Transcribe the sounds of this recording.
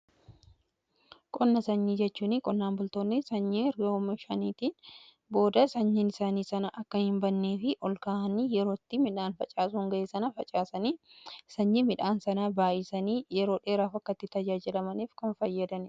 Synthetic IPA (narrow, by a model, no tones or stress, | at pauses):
kʼɔnːɐsɐɲːid͡ʒɛt͡ʃːuːnɪkʼɔnːaːmbʊlt̪oːnːɪsɐɲːeɾɡɐmɐʃɐniːt̪iːn | bo̞ːd̪ɐsɐɲːɪnɪsaːniːsɐnɐʔɐkːɐhɪmbɐnːeːfɪʔɔlkaːʔɐnijɛɾo̞ːt̪ːɪmɪᶑaːnfɐt͡ʃʼaːsʊŋɡɐʔeːsɐnɐfɐt͡ʃʼaːsɐniːsɐɲːimɪᶑaːnsɐnaːbaːʔɪsɐniːjɛɾo̞ːᶑe̞ːɾaːfɐkːɐt̪ːɪt̪ɐd͡ʒaːd͡ʒɪlɐmɐniːfkɐnfɐjːɐd̪ɐnɪ